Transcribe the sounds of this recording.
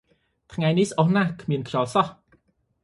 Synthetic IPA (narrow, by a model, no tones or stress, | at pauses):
t̪ʰŋajnihsʔɔhnaːkʰmiənkʰt͡ɕɑːlsɑh